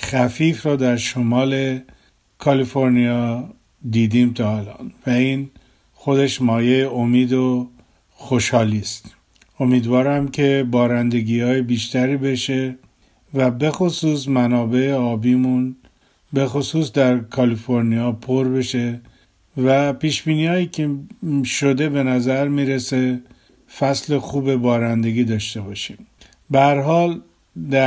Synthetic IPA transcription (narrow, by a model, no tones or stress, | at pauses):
xæfiːfɾɒːd̪æɾʃomɒːle̞ | kʰɒlifo̞ɾnijɒː | d̪iːd̪iːmt̪ʰɒːhlɒ̰ːnvæiːn | xo̞d̪e̞ʃmɒːjejeomiːd̪o | xoʃhɒːliːst̪ | o̞miːd̪vɒːɾæmcʰe̞bɒːɾænd̪e̞ɡiːhɒːjebiːʃt̪ʰæɾiːbe̞ʃe̞ | væbe̞xo̞suːs̬mænɒːbe̞eɒːbiːmun | be̞xosuːsd̪æɾkʰɒlifo̞ɾnijɒːpʰoɾbe̞ʃe̞ | væpiːʃb̥iːniːɒːjiːcʰeʃo̞d̪e̞be̞næzæɾmiːɾese | fæsle̞xuːbe̞bɒːɾænd̪e̞ɡiːd̪ɒːʃt̪e̞bɒːʃiːm | bæɾɦɒːl | d̪æ